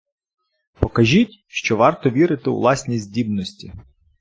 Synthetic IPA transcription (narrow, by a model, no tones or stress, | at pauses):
pɔkɐʒʲitʲ | ʃt͡ʃɔʋɑrt̪ɔʋʲiɾɪt̪ɪw̰ʋlˠɑsʲnʲisʲdʲibnɔsʲtʲi